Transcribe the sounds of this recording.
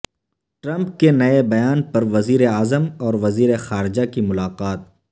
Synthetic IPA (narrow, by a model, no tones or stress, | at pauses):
ʈɾɐ̃mp̚kenɐebɐjaːnpɐɾʋɐziːɾeaːzəmɔːɾʋɐziːɾexaːɾɪd͡ʒakimʊlaːqaːt̪̚